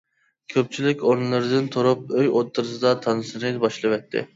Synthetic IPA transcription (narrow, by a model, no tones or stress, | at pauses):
kʲʰøp̚t͡ʃʰilɪkʲoɾnɨlˠɨɾɨd̪ɨnt̪ʰoɾup̚øjot̪ʰːɨɾɨsɨd̪ɑt̪ʰɑnɨsɨnɨbɑʃlˠɨvɛt̪ʰːɪ̰